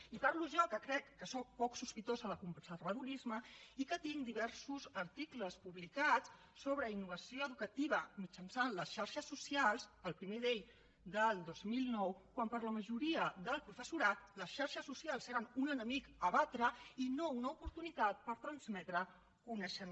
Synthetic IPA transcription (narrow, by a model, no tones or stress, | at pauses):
ipaɾluʒɔkəkɾɛkːəsɔk̚pɔksuspit̪ozələkumbsərβəðuɾizməikət̪iŋd̪iβ̞ɛɾsuzəɾt̪ikləspuβlikat͡s | soβɾəinːuβ̞əsioəðukət̪iβ̞əmit͡ʃənsanləsʃaɾʃəsːusialˠsəlˠpɾimeðeʎ | d̪əlˠd̪ozmilˠnɔwkwampəɾləməʒuɾiəd̪əlˠpɾufəsuɾat̪̚ləsʃaɾʃəsːusialˠseɾənunənəmikəβat̪ɾəinounəupuɾt̪unit̪at̪̚pəɾt̪ɾənzmɛt̪ɾə | kunəʃəm